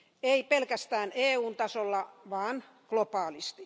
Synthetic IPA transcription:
eipelkæst̪æːneːuːnt̪ɑsolːɑʋɑːn | klopɑːlist̪i

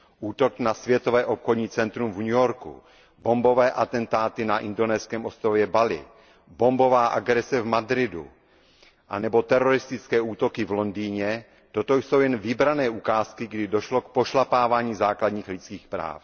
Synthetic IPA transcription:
ʔuːt̪o̞knasvjɛt̪ovɛːʔopxodɲiːt͡sɛnt̪ɾumvɲujoɾkṵ | bo̞mbo̞vɛːʔat̪ɛnt̪aːt̪ɪnaʔɪndo̞nɛːskɛːmʔost̪ɾovjɛbalɪ̰ | bo̞mbo̞vaːʔa̰ɡɾɛsɛvmad̪ɾɪdṵ | ʔa̰nɛbo̞t̪ɛɾo̞ɾɪst̪ɪt͡skɛːuːt̪o̞kɪvlo̞ndiːɲɛ | t̪ot̪ojso̞wjɛnvɪbɾanɛːʔukaːskɪɡdɪdo̞ʃlo̞kpoʃlapaːvaːɲiːzaːkladɲiːxlɪt͡skiːxpɾa̰ːf

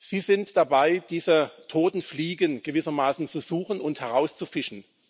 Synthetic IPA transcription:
z̥iːzɪntd̥abaɪd̥iːzətʰoːtn̩fliːɡənɡ̥əvɪsɐmaːsn̩t͡suzuːχn̩ʊnthɛʁaʊst͡sufɪʃn̩

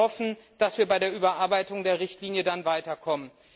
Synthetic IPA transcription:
ɔfn̩d̥asv̥iːɐbaɪɾeːɐʔyːbɐʔaɐbaɪtʊŋdeːɐʁɪçtliːnjədanvaɪtɐkʰɔmən

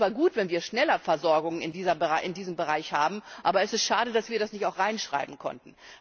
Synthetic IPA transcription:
t͡sv̥aːɐɡuːtv̥ɛnviːɐʃnɛlɐfɛɐzɔɐɡʊŋənɪndiːzɐbəʁaʔɪndiːzəmbəʁaɪçhaːbm̩ʔaːbɐɛsɪstʃaːdədasv̥iːɐɾasnɪçtaʊxʁ̥aɪnʃʁ̥a̰ɪbm̩kʰɔ̰ntn̩

